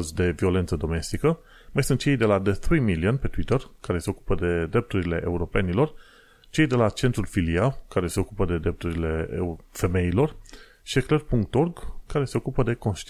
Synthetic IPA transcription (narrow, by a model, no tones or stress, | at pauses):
zd̪e̞vio̞lent̪səd̪o̞me̞st̪ikə | majsunt̪̚t͡ʃe̞jd̪e̞lad̪eθɾimiliənpe̞t̪wit̪ərkaɾe̞se̞o̞kupəd̪e̞d̪ɾe̞p̚t̪uɾile̞ʔeuɾo̞pe̞nilo̞r | t͡ʃe̞jd̪e̞lat͡ʃe̞nt̪ɾulfilialkaɾe̞se̞okupəd̪e̞d̪ɾe̞p̚t̪uɾile̞fe̞me̞ilo̞r | ʃieklerpuŋk̚t̪o̞rɡkːaɾe̞se̞o̞kupəd̪e̞ko̞nʃt̪